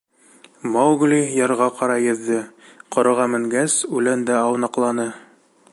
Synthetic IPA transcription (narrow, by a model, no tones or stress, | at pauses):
mɑwɡlʲijɑɾʁɑqɑɾɑjɵ̆ðːɘqŏɾɤ̆ʁɑmɘ̆ŋɡæsʉlænd̪æɑwnɑqlˠɑnɤ